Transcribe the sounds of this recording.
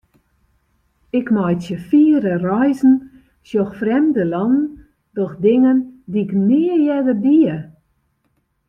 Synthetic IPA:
ɪkmɔjtsjəfiəɾərɔjzn̩ | sjoxfrɛmdəlɔnn̩ | dɔxdɪŋəndiɪknɪəjɛdəbiə

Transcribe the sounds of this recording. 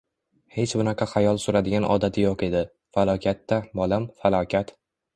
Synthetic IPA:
he̞t͡ʃbʊnɑqʰɑχajɒlˠsʊɾad̪ɪɡʲanʔɒ̰d̪at̪ʰɪjoqe̞d̪ɪ | falˠɒkʲat̪ːabɒlˠamfalˠɒkʲʰat̪

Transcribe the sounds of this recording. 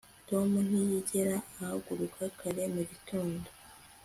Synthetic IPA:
to̞mun̥ijiɟeɾaːhaɡuɾukʰakʰaɾe̞muβitʰoːndo

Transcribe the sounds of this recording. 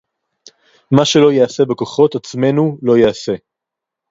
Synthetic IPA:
maʃe̞lo̞jease̞bekoχo̞tat͡sme̞nulo̞jease̞

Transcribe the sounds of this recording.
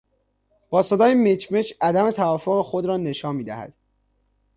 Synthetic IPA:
b̥ɒːse̞d̪ɒːjemet͡ʃʰme̞t͡ʃæd̪æme̞t̪ʰævɒːfoɣexo̞d̪ɾɒːne̞ʃɒːnmiːd̪æ̰hæ̰d̪̥

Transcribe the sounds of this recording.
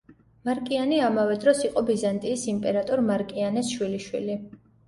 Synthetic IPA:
maɾkʼianiamavɛd̪ɾɔsiqʼɔbizant̪ʼiːsimpʼɛɾat̪ʼɔɾmaɾkʼianɛsʃwiliʃwḭli

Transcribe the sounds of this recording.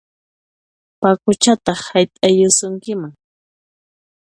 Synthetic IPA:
pakʊt͡ʃat̪ɑχhajt̪ʼajʊsʊŋkɪmaŋ

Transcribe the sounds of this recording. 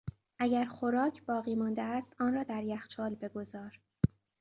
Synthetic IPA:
ʔæɟæɾxo̞ɾɒːcʰb̥ɒːɣiːmɒːnd̪eæst̪ɒːnrɒːd̪æɾjæxt͡ʃʰɒːlbe̞ɡo̞zɒːɾ

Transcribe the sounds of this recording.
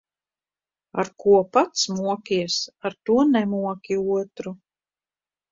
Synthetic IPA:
a̰ɾkuɔpat̪smuɔkʲiɛsaɾt̪uɔnɛmuɔkʲiuɔt̪ɾu

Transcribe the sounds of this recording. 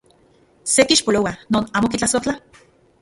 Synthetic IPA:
set̪iːʃpolowanoːnaːmokit͡ɬasoht͡ɬa

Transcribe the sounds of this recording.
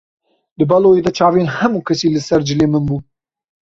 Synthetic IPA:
d̪ɨbɐloːjeːd̪ɛt͡ʃʰɑːvenhɐmuːkʰɛsiːlɨsɛɾd͡ʒɨleːmɨnbuː

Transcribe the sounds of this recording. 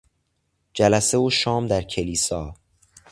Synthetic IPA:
d͡ʒælæse̞uːʃɒːmd̪æɾcʰe̞liːsɒː

